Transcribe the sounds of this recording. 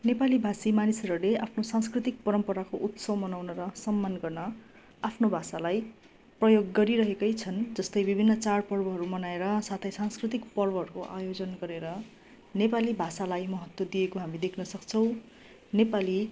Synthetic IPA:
nepalibʱasimanisʌɾuleapʰnosãnskrit̪ik̚pʌɾʌmpʌɾakoʔut̪sʌwmʌnawnʌɾʌsʌmːanɡʌrnʌ | apʰnobʱasalaj | prʌjoɡːʌɾiɾʌɦekʌjt͡sʰʌnd͡zʌst̪ʌjbibʱinːʌt͡sarpʌrbʌɦʌɾumʌnaeɾʌsat̪ʰʌjsanskrit̪ikpʌrbʌɦʌɾukoʔajod͡zʌnɡʌɾeɾʌ | nepalibʱasalajmʌɦʌt̪wʌd̪ijekoɦamid̪ekʰnʌsʌkt͡sʰʌ̃w̃ | nepali

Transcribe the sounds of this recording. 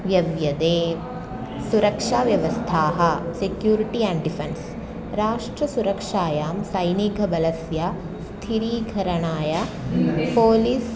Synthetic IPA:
ʋjɐʋjɐd̪eː | suɾɐkʂaːʋjɐʋɐst̪ʰaːɦɐ̆sekjuːɾiʈiɛ̃ːɳʈɖifens | ɾaːʂʈɾɐsuɾɐkʂaːjaːmsɐjniɡʱɐbɐlɐsjɐ | st̪ʰiɾiːɡʱɐɾɐɳaːjɐ | poːlis

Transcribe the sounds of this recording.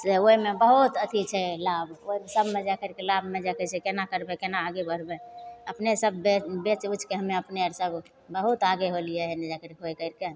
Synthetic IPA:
seoimebəɦut̪ət̪ʰit͡ʃʰɛlabʱoimesəbmed͡ʒakəɾkelabʱmed͡ʒakət͡ʃʰɛkenakəɾbɛkenaːɡebəɾbɛəpnesəbbebet͡ʃut͡ʃʰkeɦəmeəpneəɾsəb | bəɦut̪aɡeɦolijɛɦɛned͡ʒakəɾikeɦoikəɾke

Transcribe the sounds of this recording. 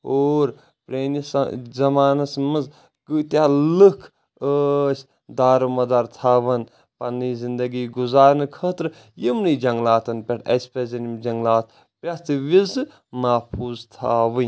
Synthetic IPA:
oːɾ | pɾeːniszɐmaːnɐsmɐz | kɨt̪jalɨkʰ | əsʲ | d̪aːɾmɐd̪ɐɾt̪ʰaːʋɐn | pɐniːzind̪ɐɡiːɡuzaːɾnɨkʰəːt̪ɾɨ | jimnɨːd͡ʒɐŋɡlaːt̪ʰɐnpʲɐʈʰɐ̰sʲpɐzʲɐnimd͡ʒɐŋɡlaːt̪ | pʲɐt̪ɨʋizɨ | maːpʰuːzt̪ʰaːʋɨn

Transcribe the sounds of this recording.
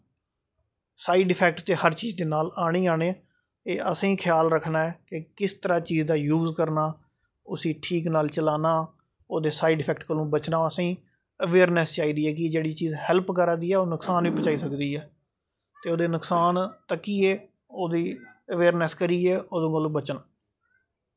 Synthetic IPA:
saːiːɖɪpʰɛːk̚ʈt̪eːhəɾt͡ʃiːzd̪eːnaːlaːɽ̃ĩːaːɽ̃eː | eːʔəsĩːkʰɪjaːlɾəkʰnaːɛːkɪkɪst̪əɾaːt͡ʃiːzd̪aːjuːzkəɾnaː | ʊsĩːʈʰiːknaːlt͡ʃəlaːnaː | oːd̪eːsaːiːɖɪpʰɛːkʈkəlũːbət͡ʃnaːəsĩː | əʋeːɾnɛːst͡ʃaːiːd̪iːɛːk̬ɪd͡ʒeːɽiːt͡ʃiːzhɛlpkəɾaːd̪iːɛːoːnʊksaːnʋiːbət͡ʃaːiːsəkd̪iːɛː | t̪eːoːd̪eːnʊksaːnt̪əkiːeː | oːd̪iːəʋeːɾnɛːskəɾiːɛːoːd̪õːɡəlːõːbət͡ʃənaː

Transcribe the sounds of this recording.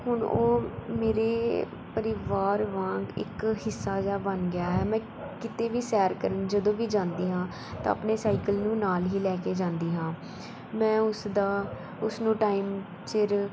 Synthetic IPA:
hʊɳoːmeːɾeː | pəɾɪʋaːɾʋãːŋɡɪ̰kɦɪsːaːd͡ʒaːbənɡɪjaːɦɛːmɛ̃ː | kɪt̪eːʋiːsɛːɾkəɾənd͡ʒəd̪õːʋiːd͡ʒãːnd̪iːɦãː | t̪ã̰ːpneːsaːɪkəlnũːnaːlɦiːlɛːkeːd͡ʒãːnd̪iːɦãː | mɛ̃ːʊsd̪aː | ʊsnũːʈaːiːm | t͡ʃɪɾ

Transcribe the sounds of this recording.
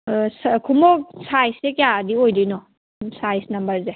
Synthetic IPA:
skʰumɔk̚sajsekjadiojdijnɔ | sajsnɐmbɐɾze

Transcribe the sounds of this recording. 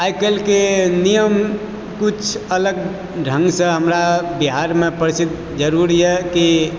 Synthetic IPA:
ajkəlkenijəm | kut͡ʃʰələɡ | ɖʱə̃ŋɡsə̃ɦəmɾabiɦaɾmepəɾsit̪̚ | d͡ʒəɾuɾiɛki

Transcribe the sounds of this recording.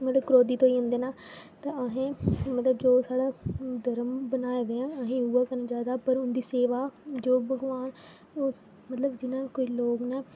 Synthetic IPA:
mət̪ləbkɾoːd̪iːt̪õːiːʊ̃nd̪eːnaːt̪ãːəɦẽːmət̪ləbd͡ʒoːsaːɽaːd̪əɾəmbənaːeːd̪eːãːəɦĩːuːaːkənːd͡ʒaːd̪aːpəɾʊnd̪iːseːʋaːd͡ʒoːbəɡʋaːn | oː | mət̪ləbd͡ʒɪnãːkoːiːloːknɛː

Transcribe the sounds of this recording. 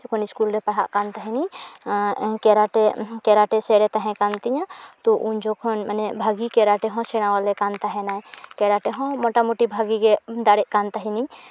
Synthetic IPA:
d͡ʒɔkʰɔniskulɾepɐɽ̤a̰ʔkant̪aɦini | keɾaʈekɛɾaʈesɛɽɛt̪aɦɛ̃kant̪iɲãt̪ɔʔũnd͡ʒɔkʰɔnmanɛbʱaɡikɛɾaʈeɦɔ̃sɛɽ̃awalɛkant̪aɦɛ̃najkɛɾaʈeɦɔ̃mɔʈamuʈibʱaɡiɡed̪aɽɛʔkant̪aɦini

